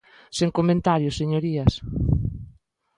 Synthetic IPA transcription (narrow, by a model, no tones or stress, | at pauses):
seŋkomẽnt̪aɾjʊseɲoɾiɐs